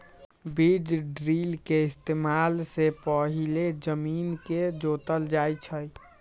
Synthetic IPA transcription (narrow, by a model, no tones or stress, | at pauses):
bid͡ʒɖɾilkeɪst̪emalsepəɦiled͡ʒəminked͡ʒot̪əld͡ʒajt͡ʃʰəj